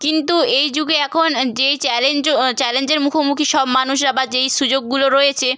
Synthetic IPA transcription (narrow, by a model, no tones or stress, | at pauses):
kint̪uejd͡ʑuɡeɛkʰond͡ʑejt͡ɕɛlend͡ʑot͡ɕɛlend͡ʑeɾmukʰomukʰiʃɔbmanuʃ̬ɾabad͡ʑejʃud͡ʑoɡːuloɾojet͡ɕʰe